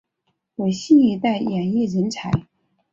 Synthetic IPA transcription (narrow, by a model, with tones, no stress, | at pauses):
wɔ˨˩ɕi˥˩ni˧˥t̪a˥˩ɪjɛ˨˩ni˥˩ɻə˧˥nt͡sʰa˧˥ɪ